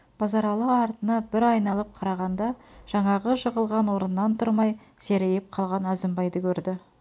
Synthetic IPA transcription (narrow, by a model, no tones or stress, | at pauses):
b̥ɑzɑɾɑlˠɑɑɾt̪ənɑbɪɾɑjnɑlˠəp̚qʰɑɾɑʁɑnd̪ɑʒ̥ɑɴɑʁəʒəʁəlˠʁɑnwo̞ɾənːɑnt̪ʰʊɾmɑj | se̞ɾejɪp̚qʰɑlˠʁɑnæzɪmbɑjd̪əkʲʰɵɾd̪ɪ